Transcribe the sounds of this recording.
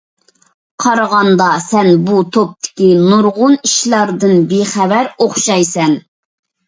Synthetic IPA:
qʰɑɾʁɑnd̪ɑsɛnbut̪ʰop̚t̪ʰɪ̥kʲinuɾʁʊniʃlˠɑɾd̪ɨnbeχævæɾoχʃɑjsɛn

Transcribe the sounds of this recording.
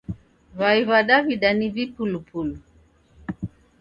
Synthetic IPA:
βaiβaɗaβiɗaniβipulupulu

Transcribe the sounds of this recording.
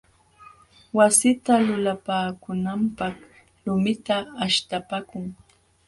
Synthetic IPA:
wasɪt̪alʊlapaːkʊnampɑχ | lʊmɪt̪aːʃt̪apakʊŋ

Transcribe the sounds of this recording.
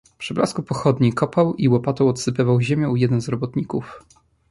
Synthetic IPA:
pʂɘbla̰skupɔxɔd̪ɲikɔpawiwɔpat̪ɔwɔt̪sɘpɘvawʑemʲjɛ̃ujɛd̪ɛnzɾɔbɔt̪ɲikuf

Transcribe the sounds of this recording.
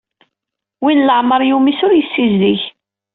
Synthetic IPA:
winləʕməɾˤjumisʊɾjəsːizðiç

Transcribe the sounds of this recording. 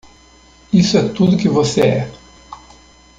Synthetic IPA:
isɛt̪ud̪ɡivɔsɛɛ

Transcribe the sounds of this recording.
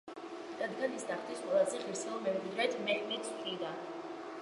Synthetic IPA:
d̪̥ad̪ɡanisd̪aχt̪ʰisqʼwɛlˠazɛχiɾsilˠmɛɾd̪ɾɛt̪ʰmɛʔmɛt̪sʰʼt̪ʼʰid̪a

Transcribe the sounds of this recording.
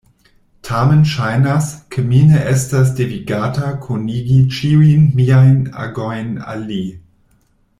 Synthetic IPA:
tʰamənʃajnaskʰəmineʔɛstas̬deviɡaːtakʰoniɡit͡ʃiuinmiajna̰ɡojna̰li

